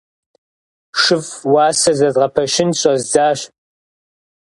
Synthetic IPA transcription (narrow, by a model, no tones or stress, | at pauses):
ʂɨfwaːsɐzɐzʁɐpʰɐʃɪnɕʼɐzzaːɕ